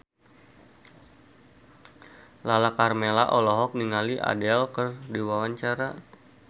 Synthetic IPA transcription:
lalakarmelaʔɔlɔɦɔk̚niŋaliʔa̰dɛlkərdiwawaɲt͡ʃaɾa

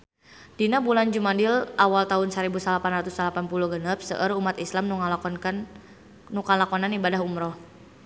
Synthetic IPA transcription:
d̥inabuland͡ʒumadilʔawalt̪aʊnsaɾibusalapanrat̪usalapanpuluhɡənəp̚sə̰ʔərumat̪islamnuŋ | nukalakɔnanibadaɦumɾɔh

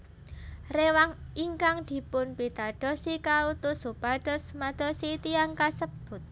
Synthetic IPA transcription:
rewaŋiŋkaŋd̪̥i̤pʊnpid̪̥a̤ɖ̥ɔ̤sikaut̪ʊsupaɖ̥ɔ̤smad̪̥ɔ̤sit̪iaŋkasəbb̥ʊ̤t̪̚

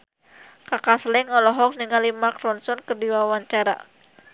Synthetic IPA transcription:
kakaslɛŋɔlɔɦɔk̚niŋalimakɾɔnsɔnkərdiwawaɲt͡ʃaɾa̰

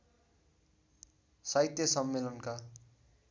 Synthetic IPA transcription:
sait̪jʌsʌmːelʌnka

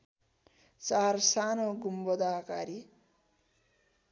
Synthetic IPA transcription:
t͡sarsanoɡumbʌd̪aːkaɾi

